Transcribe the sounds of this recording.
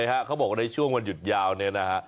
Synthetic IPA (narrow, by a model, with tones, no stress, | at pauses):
jɦa˦˥kʰa˦˥wbɔː˨˩k̚wa˧na˧jt͡ɕʰu˥˩əŋwa˧nju˨˩t̪̚jaː˧wni˦˥˩ɐna˦˥kʰa˦˥